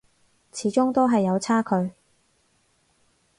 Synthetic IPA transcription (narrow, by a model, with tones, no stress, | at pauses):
t͡sʰiː˨˥t͡ʃʊ˥ŋt̪o˥ɦɐ˨jːɐ˨˧wt͡sʰaː˥kʰɵ˨˧ɥ